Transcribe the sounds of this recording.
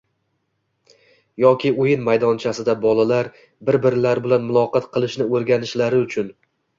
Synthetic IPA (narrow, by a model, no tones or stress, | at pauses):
jɒkʲɪojɪnmajd̪ɒnt͡ʃʰasɪd̪abɒlˠalaɾ | bɪɾbɪɾɪlaɾbɪlanmʊlˠɒqɑt̪qʰɨlˠɪʃnɪoɾɡʲanɪʃlaɾɪʊt͡ʃʰʊn